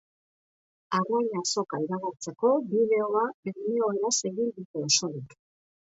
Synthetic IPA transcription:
arajɲaso̞kaiɾaɣuɾt͡se̞ko̞bið̞e̞o̞aeio̞eɾase̞ɣind̪uk̪eoso̞ɾik

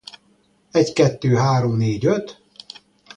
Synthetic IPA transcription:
ɛɟkɛt̪ːøːɦaːɾomneːɟøt̪

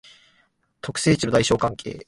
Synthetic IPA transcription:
t̪ʰo̞kɯ̟̥se̞ːit͡ɕinod̪aiɕo̞ːkãŋkʰe̞̰ː

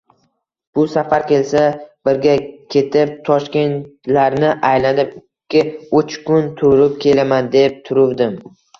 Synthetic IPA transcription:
b̥ʊsafaɾkʲe̞lsab̥ɪɾɡʲakʲʰe̞t̪ʰɪp̚t̪ʰɒʃkʲe̞nt̪laɾnɪʔajlanɪpɪɪʊt͡ʃkʊnt̪ʰʊɾɪp̚kʲʰe̞lamand̪e̞p̚t̪ʰʊɾʊwd̪ɪm

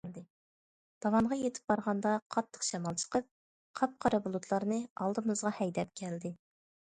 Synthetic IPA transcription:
d̪ɪ | d̪̥ɑwɑnʁɑjet̪ʰɪ̥p̚bɑɾʁɑnd̪ɑqʰɑt̪ʰːə̥qʃɛmɑlˠt͡ʃʰə̥qəp̚ | qʰɑp̚qʰɑɾɑbulˠut̪ʰlˠɑɾnɨɑlˠd̪ɨmɨzʁɑhɛjd̪ɛp̚kʲʰɛld̪ɪ

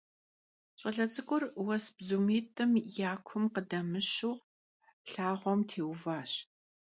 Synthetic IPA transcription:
ɕʼɐɮɐt͡sʼɨkʷʼʊrwɐsbzumeːtʰʼɐmjaːkʷʰʊmqədɐmɨɕuː | ɬaːʁʷɔmtʰeːwvaːɕ

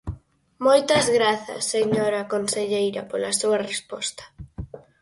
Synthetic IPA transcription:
mojt̪ɐzɣɾaθɐ̰sːeɲoɾakonseʎejɾɐ̰polasuɐarespɔst̪ḁ

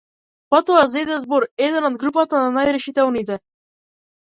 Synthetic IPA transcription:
pat̪ɔazɛd̪ɛzbɔɾɛd̪ɛnɔd̪̚ɡɾupat̪ananajɾɛʃit̪ɛlnit̪ɛ

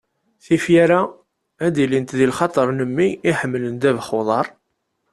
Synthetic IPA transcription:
θifjaɾæ | æd̪ilint̪ðilχɑt̪ˤəɾˤnəmːiiħəmːələnd̪ævχoðˤɑɾˤ

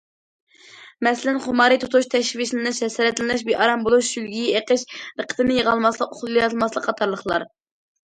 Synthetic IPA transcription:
mɛslɪnχʊmɑɾɨt̪ʰot̪ʰuʃt̪ʰɛʃviʃnɪnɨʃɛsɾɛt̪lɪnɪʃbiʔɑɾɑmbolˠuʃʃylɡʲijɛeqəʃɾəqʰə̥t̪ʰɨnɪjəʁɑlˠmɑslˠəqoχlˠɨlˠjɑt̪ʰlˠmɑslˠəqʰːɑt̪ʰɑɾlˠəχlˠɑ̰ɾ

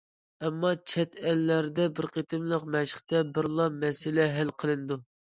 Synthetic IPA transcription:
ɛmːɑt͡ʃʰɛt̪ɛlːæɾd̪ɛbɪɾqʰet̪ʰɪmlˠəqmɛʃə̥χt̪ɛbɪɾlˠɑmɛsɪlɛɦælqʰəlˠɨnɨd̪u

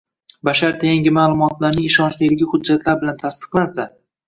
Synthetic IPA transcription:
baʃaɾt̪ʰeŋɡʲɪmaːlˠʊmɒt̪laɾnɪŋɪʃɒnt͡ʃlɪd̪ɪɡʲɪhʊd͡ʒːat̪ʰlaɾbɪlant̪ʰast̪ɨ̥qlˠansa

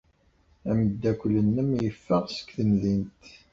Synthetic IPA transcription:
æməd̪ːækʷlənːæmjəfːəʁsə̥kθənðint̪

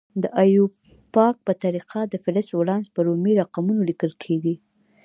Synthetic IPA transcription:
d̪əʔajub | pɑk̚pət̪aɾiqʰad̪əfɪlɪswalɑnspəɾomiɾaqamunolikəlkʰeɡi

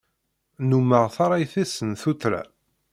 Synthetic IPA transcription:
numəʁθaɾˤɑjθæsənθuθɾæ̰

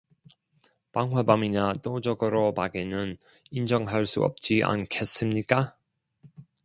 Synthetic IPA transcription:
paŋɦwabamiɲat͈od͡ʑʌɡɯɾopaɡenɯn | ind͡ʑʌŋɦaɭs͈ṵʌ̰p̚t͡ɕ͈iʔa̰nkʰe̞s͈ɯmɲik͈a

